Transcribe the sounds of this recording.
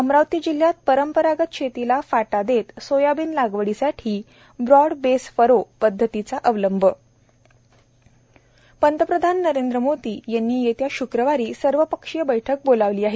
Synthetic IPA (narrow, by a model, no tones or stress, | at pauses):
əmɾaʋt̪iːd͡ʑil̤jat̪̚pəɾəmpəɾaɡət̪̚ɕʰet̪ilafaʈad̪et̪sojabiːnlaɡʋəɽisaʈʰiː | bɾɔɽbesfəɾopəd̪ʱːət̪it͡saʔəʋləmbʱə | pənt̪əpɾəd̪ʱanːəɾend̪ɾəmod̪iːjanːiːjet̪jaɕukɾəʋaɾiːsəɾʋəpəkʂijəbəjʈʰək̚bolaʋliːaɦe